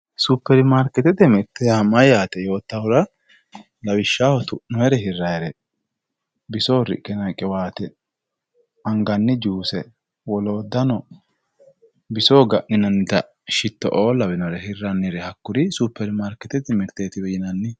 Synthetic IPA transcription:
suːpːɛɾmaːɾkɛt̪ɛt̪ɛmɪɾt̪ːɛjɐmɐjaːt̪ɛjo̞ːt̪ːɐwʊɾɐ | lɐwɪʃːaːhɔt̪ʊʔnːɔɛɾɛɦɪrːɐjɛɾɛ | bɪsoːɾɪ̰kʼːɛnɐkʼːɛwaːt̪ɛ | ɐŋɡɐnːɪd͡ʒuːsɛ | wɔlo̞ːd̪ːɐnɔ | bɪsoːɡɐʔnɪnɐnɪd̪ɐ | ʃɪt̪ːɔ̰ʔoːlɐwɪnɔɾɛhɪrːɐnːɪɾɛhɐkːʊɾɪsupːɛɾmaːɾkːɛt̪ɛt̪ɪmɪɾt̪eːt̪ɪbɛjɪnɐnːɪ

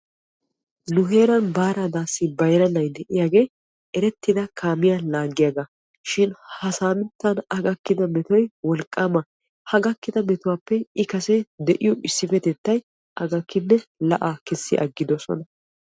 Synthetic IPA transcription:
nʊɦe̞ːɾɐnbaːɾad̪aːsːɪbɐjɾɐnɐjd̪ɛʔɪjaːɡe̞ː | ɛɾɛt̪ːɪd̪ɐkʰaːmɪjanlaːɡɪjaɡɐ | ʃɪnhɐsaːmɪt̪ːɐnɐɡɐkːɪd̪ɐmɛt̪ɔjwɔlkʼːaːmɐ | hɐɡɐkːɪd̪ɐmɛt̪ʊwaːpːɛɪkɐsɛd̪ɛʔɪjɔʔɪsːɪfɛt̪ɛt̪ːɐj | ʔɐɡɐkːɪnːɛlɐʔaːkɛsːɪʔɐ̰ɡːɪd̪ɔsɔ̰nɐ

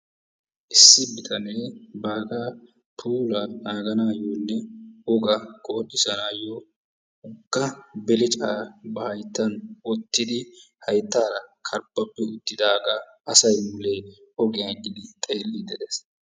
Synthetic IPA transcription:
ʔɪsːɪbɪt̪ʰɐneːbaːɡaː | pʰuːlanaːɡɐnaːjoːnːɛɔɡɐɡoːɗɪsɐnaːjoː | ʊɡːɐbɛlɪt͡ʃʼaːbɐhɐjt̪ːɐnɔt̪ːɪd̪ɪ | hɐjt̪ːaːɾɐkʰɐɾbːɐpːɛʊt̪ːɪd̪aːɡa | ɐsɐjmʊle̞ː | ɔɡɪjɐɡɪd̪ɪt̪ʼeːlːid̪ɛd̪ɛs

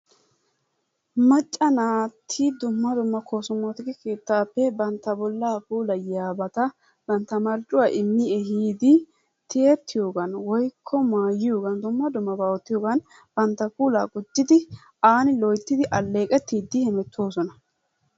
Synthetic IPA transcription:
mɐt͡ʃʼːɐnaːt̪ʰːiːd̪ʊmːɐd̪ʊmːɐkʰoːsʊmːot̪ɪɡɛke̞ːt̪ːaːpːɛbɐnt̪ːɐbɔlːaːpuːlɐjaːbɐt̪ɐ | b̥ɐnt̪ːɐmɐɾt͡ʃʼʊwaːʔɪmːɪɛɦiːd̪ɪ | t̪ʰɪet̪ːɪjo̞ːɡɐnwɔjkʰːɔmaːjɪjoːɡɐnd̪ʊmːɐd̪ʊmːɐbaːwɔt̪ːɪjo̞ːɡɐn | b̥ɐnt̪ːɐkuːlaːɡʊd͡ʒːɪd̪ɪ | aːnɪlɔjt̪ːɪd̪ɪʔɐlːeːkʼɛt̪ːiːd̪ːɪhɛmɛt̪ʰːo̞ːsɔnɐ

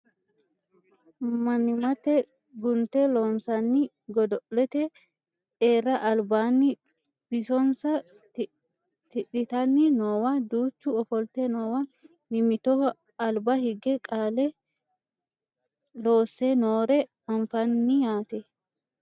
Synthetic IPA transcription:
mɐmɪmɐt̪ɛ | ɡʊnt̪ɛloːnsɐnːɪ | ɡɔd̪ɔʔlɛt̪ɛ | ᶑeːrːɐʔɐlbaːnːɪ | b̥ɪsɔnsɐ | t̪ɪᶑɪt̪ɐnːɪnoːwɐd̪uːt͡ʃːʊɔfɔlt̪ɛnoːwɐ | mɪmɪt̪ɔ | ɐlbɐhɪɡɛkʼaːlɛ | lo̞ːsːɛnoːɾɛmɐɱfɐnːɪjaːt̪ɛ

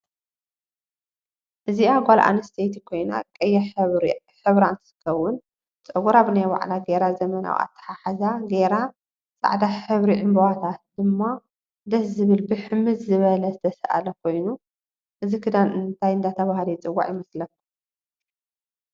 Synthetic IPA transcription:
ʔɨziaɡʷalʔa̰nɨst̪ʰet̪ʰikʰo̞jna̰kʼɐjːɛ | ħɨβɾaɨnt̪ʰɨ̥sɨ̥kʰːɐwʊn | t͡sʼɐwuɾaβɨnajwa̰ʕlaɡeɾazɐmɐna̰w̰a̰t̪ʰːɐ̥ħaħazaɡeɾa | sʼa̰ʕd̪aħɨβɾiʕɨmbɐwat̪ʰat̪̚d̪ɨmːa | d̪ɐszɨβɨlbɨħɨmɨzzɨβɐlɐzɨt̪ʰɐsɐʔa̰lɐkʰo̞jnu | ʔɨzikʰɨd̪anɨnt̪ʰajɨnd̪at̪ʰɐβahlit͡sʼɨwːa̰ʕjɪmɐslɐkːu

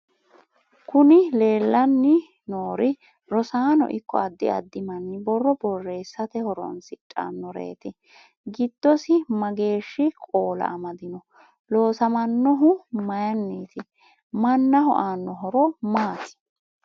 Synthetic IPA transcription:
kʊnɪle̞ːlːɐnːɪ | noːɾɪ | ɾɔsaːnɔ̰ʔɪ̰kʰːɔ̰ɐd̪ːɪɐd̪ːɪmɐnːɪbɔrːɔbɔrːe̞ːsːɐt̪ɛhɔɾɔ̰nsɪtʼːa̰nːɔɾḛːt̪ɪ | ɡɪd̪̥ːɔsɪmɐɡe̞ːʃːɪkʼoːlɐ̰ʔɐmɐd̪ɪnɔ | lo̞ːsɐmɐnːɔɦʊmɐjɐnːiːt̪ɪ | mɐnːɐɦɔ̰ʔaːnːɔɦɔɾɔmaːt̪ɪ̥

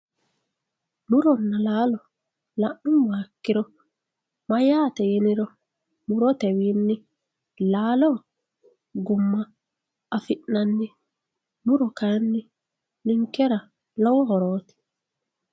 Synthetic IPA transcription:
mʊɾɔnːalaːlɔ | laʔnʊnwaːkːɪɾɔ | mɐjaːt̪ɛjɛnɪɾɔ | mʊɾɔt̪ɛwiːnːɪ | laːlɔ | ɡʊmːaː | fɪʔnanːɪ | mʊɾɔkanːɪ | nɪŋkːɛɾa | lɔwɔhɔɾoːt̪ɪ̥

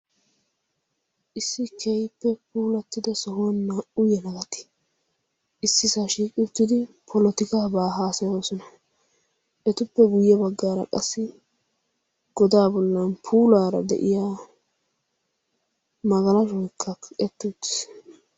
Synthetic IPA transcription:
ʔɪsːɪkʰɛjpːɛpuːlɐt̪ːɪd̪ɐsɔhnːaʔʊjɛnɐɡɐt̪ɪ̥ | ʔɪsːɪsaʃiːkʼɪʊt̪ːɪd̪ɪpʰɔlɔt̪ɪkabaːɦaːsɐjo̞ːsɔnɐ | ʔɛt̪ʊpːɛɡʊjːɛbɐɡːaːɾɐ̰kʼɐsːɪ | ɡ̥ɔd̪aːbɔlːɐnpʰuːlaːɾɐ̰d̪ɛ̰ʔɪjaː | mɐɡɐlɐʃɔjkʰːɐɛt̪ːʊʊt̪ːɪ̥s

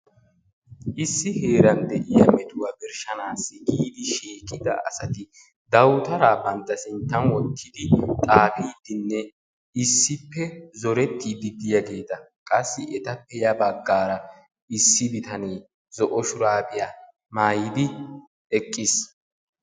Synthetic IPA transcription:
ʔɪsːɪhe̞ːɾɐnd̪ɛʔɪjɐmɛt̪ʊwabɪɾʃɐnaːsːɪɡiːd̪ɪʃeːkʼɪd̪ɐ̰ɐ̰sɐt̪ɪ | d̪ɐwt̪ɐɾaːbɐnt̪ːɐsɪnt̪ːɐnwɔt̪ʰːɪd̪ɪt̪ʼaːfiːd̪ɪnːɛ | ɪsːɪpːɛzɔɾɛt̪ːid̪ɪd̪ɪjaɡe̞ːt̪ɐ | kʼɐsːɪʔɛt̪ɐpːɛjɐbɐɡːaːɾɐ | ɪsːɪbɪt̪ɐneː | zɔʔɔʃʊɾaːbɪja | maːjɪd̪ɪ | ɛkʼːɪs

